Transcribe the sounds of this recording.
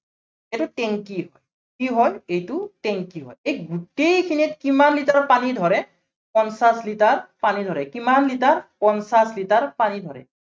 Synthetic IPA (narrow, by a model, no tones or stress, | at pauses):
ɛtʊtɛŋkiɦɔj | kiɦɔjejtʊtɛŋkiɦɔ̰jej̚ɡutejkʰinit̚kimanlitaɔpanidʱɔɹɛ | pɔnsaslitaɹpanidʱɔɹɛkimanlitaɹpɔnsaslitaɹpanidʱɔɹɛ̰